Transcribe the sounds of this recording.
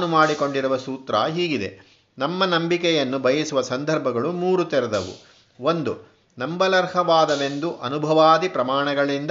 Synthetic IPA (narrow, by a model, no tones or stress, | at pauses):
numaːɽiko̞ɳɖiɾuʋɐsuːt̪ɾɐ̰ɦiːɡid̪ḛ | nɐmːɐnɐmbikɛjɐnːubʱɐjisuʋɐsɐnd̪ʱɐɾbʱɐɡɐɭumuːɾut̪eɾɛd̪ɐʋṵ | o̞nd̪u | nɐmbɐlɐɾhɐʋaːd̪ɐʋe̞nd̪uʔɐnubʱɐʋaːd̪ipɾɐmaːɳɐɡɐɭind̪